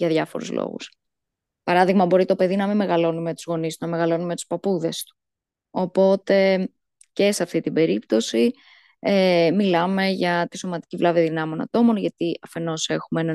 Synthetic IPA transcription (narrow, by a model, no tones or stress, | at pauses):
ʝɐðʝɐfo̞̰ɾṵzlo̰ɣṵs | pɐɾɐðiɣmɐbo̞ɾit̪o̞pe̞ðinɐmimːe̞ɣɐlo̞nume̞t̪u̥zɣo̞nist̪unɐme̞ɣɐlo̞numet̪u̥spɐpuðe̞st̪u̥ | o̞po̞t̪e̞ | ce̞seɐft̪it̪ibe̞ɾipt̪o̞si | emilɐme̞ʝɐt̪iso̞mɐt̪i̥civlɐviðinɐmo̞nɐ̰t̪o̞mo̞nʝɐt̪iʔɐfe̞no̞se̞xumeenɐ